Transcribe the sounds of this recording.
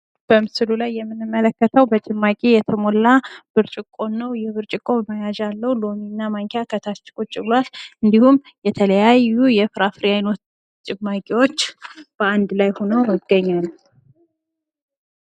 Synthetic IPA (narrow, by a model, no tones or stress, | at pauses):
b̥əmɨsɨlulajːɛmːɨnːɨmːələkːət̪ʰəwbət͡ʃʼɪmːakʼejɛt̪ʰəmo̞lːab̥ɨɾt͡ʃʼɪkʼo̞nːəwjɛβɨɾt͡ʃʼɪkʼo̞βmajaʒalːəwulo̞minːamaŋkʰjakʰət̪ʰat͡ʃːɪ̥kʼot͡ʃʼɪβlalɨnd̪ihum | jɛt̪ʰələjajːujɛfɾafɾihajno̞t̪ | t͡ʃʼɪmːakʼewo̞t͡ʃːb̥əand̪lajho̞nəwjəɡəɲːal